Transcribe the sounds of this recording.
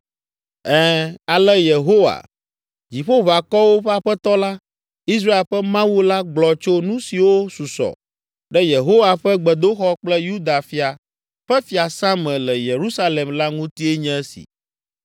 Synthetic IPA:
ɛ˦a˨lɛ˦je˨ɦo˦wa̰˨ | d͡ʑi˨ɸo˦βa˨kɔ˦wo˦ɸɛ˦a˨ɸɛ˦t̪ɔ˦la˦ | i˦s̬ɾa˦e˨ɸɛ˦mã˦wu˦la˦ɡ͡blɔ˨t͡ʃo˦nũ˦si˨wo˦su˨sɔ̰˨ | ɖɛ˦je˨ɦo˦wa˨ɸɛ˦ɡ͡bɛ˨d̪o˦xɔ˦k͡plɛ˦ju˦d̪a˨fi˦a˨ | ɸɛ˦fi˨a˨sã˦mɛ̃˨lɛ˨je˨ɾu˦sa˦le˨mla˦ŋũ˦t̪i˦ɛ˦ɲɛ̃˦ɛ˦sḭ˨

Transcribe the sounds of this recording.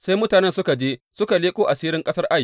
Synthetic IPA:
sa˦jmʊ˦taː˨nɛ˦nsʊ˦ka˨d͡ʒeː˦sʊ˦ka˨leː˦kʷʼoː˦ʔa˨siː˦ɾɪ˦ŋkʼɐ˦sɐ˦rʔa˦j

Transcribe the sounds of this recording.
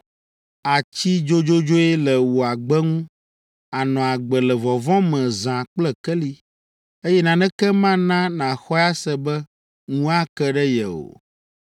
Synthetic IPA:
a˨t͡ɕi˦d͡ʒo˦d͡ʒo˦d͡ʒo˦ɛ˦lɛ˨wu˨a˨ɡ͡bɛ˦ŋũ˦ | a˨nɔ̃˨a˨ɡ͡bɛ˨lɛ˨vɔ˨vɔ̃˦mɛ̃˨zã˨k͡plɛ˦kɛ˦li˦ | e˦jɛ˦nã˨nɛ̃˦kɛ˦mã˦nã˦nã˨xɔ˦ja˦sɛ˦bɛ˦ | ŋũ˦a˦kɛ˦ɖɛ˦jɛ˨o̰˨

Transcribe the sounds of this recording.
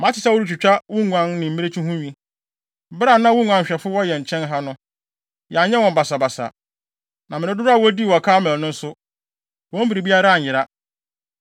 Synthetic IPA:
mã˨˦t͡ɕʰɪ˨sa˦wʊ˦ɾu˦t͡ɕᶣu˨t͡ɕᶣa˦wʊ̃˦ŋʷã˦nnɪ̃˨m̩˦mi˦ɾe˦t͡ɕʰũ˦ɦũ˦ɲᶣĩ˦ | bɾa˨nã˦wʊ̃˦ŋʷã˦ɕᶣɛ˨fʊ˦wɔ˦jɛ˨ɲ̩˨t͡ɕʰɛ̃˦nɦa˦nʊ̃˦ | jɛ˨a˨ɲ˦ɛ̃˦wɔ̃˨mba˨sa˨ba˨sa̰˨ | nã˨mɪ̃˨ɪ̃˨˦dʊ˦ɾa˦˨wɔ˦di˦˨wɔ˨kʰaː˦mɛ̃˨nʊ̃˦n̩˦sʊ˦ | wɔ̃˦m̩˦bi˨ɾi˨bi˦a˦ɾa˦a˨ɲ̩˨jɪ˨ɾa˦

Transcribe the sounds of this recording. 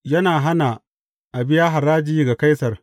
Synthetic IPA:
jɐ˦naː˨ɦa˦na˨ | ʔa˨bɪ˦jaː˦ɦa˨ɾaː˦d͡ʒiː˦ɡa˨ka˦jsɐ˨r

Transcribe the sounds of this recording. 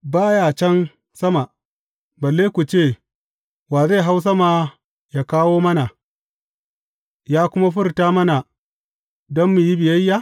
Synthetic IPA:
baː˦jaː˦˨t͡ʃɛ˦n | sɐ˦ma˨ | bɐ˨lːeː˦kʷu˨t͡ʃeː˦˨ | waː˨za˦˨ɦa˦ws̬ɐ˦maː˦ | ja˦˨kaː˦woː˦mɐ˦na˨ | jaː˦kʷʊ˦ma˦ɸʊ˦rtaː˦mɐ˦na˨ | dɔ˦mːu˨ji˦bɪ˨jɐ˦jːa˦

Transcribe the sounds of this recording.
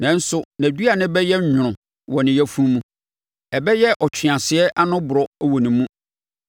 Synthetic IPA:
nã˨n̩˦sʊ˦næ̃˨du˦a˨nɪ̃˦bɛ˦jɛ˦ɲᶣ˦ʊ̃˨ɾʊ̃˨ | wɔ̃˨nɪ̃˨jæ˦fũ˦mũ˦ | ɛ˨bɛ˦jɛ˦ʔɔ˨t͡ɕʰᶣɪ˨ã˨sɪ˨˦ɛ˦ʔa˦nʊ̃˦bʊ˨ɾɔ˨æ˦wɔ˨nĩ˨mũ˦

